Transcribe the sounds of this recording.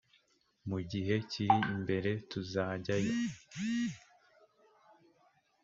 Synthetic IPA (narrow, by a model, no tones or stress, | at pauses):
muɟiɦe̞ciɾimbe̞ɾe̞tuzaːɟajo